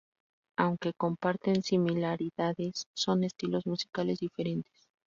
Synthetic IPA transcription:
awŋke̞ko̞mpaɾt̪ensimilaɾiðaðe̞sːo̞ne̞st̪ilo̞zmusi̥kale̞zðife̞ɾe̞nt̪e̥s

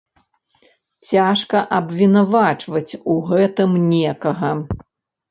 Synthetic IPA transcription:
t͡sʲaʂkɐʔɐbvʲinavat͡ʂvɐt͡sʲuɣɛt̪ɨmnʲɛkɐɣɐ

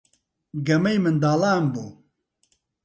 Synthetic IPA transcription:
ɡɐmɛjmɨnd̪aːlaːmbuː

